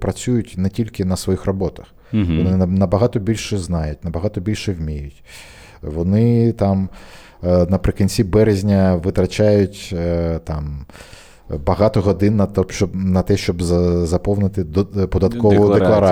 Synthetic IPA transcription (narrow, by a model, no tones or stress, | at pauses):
pɾɐt͡sʲujʊtʲnɛtʲilʲkɪnɐsʋɔjixrɔbɔt̪ɐx | ʋɔnɪnnɐbɐɦɑt̪ɔbʲilʲʃɛznɑjʊtʲnɐbɐɦɑt̪ɔbʲilʲʃɛwmʲijʊtʲ | ʋɔnɪt̪ɑm | nɐpɾɪkɐnʲt͡sʲibɛɾezʲnʲɐʋɪt̪ɾɐt͡ʃajʊtʲt̪ɑm | bɐɦɑt̪ɔɦɔd̪ɪnːɐt̪ɔʃt͡ʃɔbnɐt̪ɛʃt͡ʃɔbzzɐpɔwnɪt̪ɪpɔd̪ɐt̪kkɔʋɔd̪eklˠɐɾɑ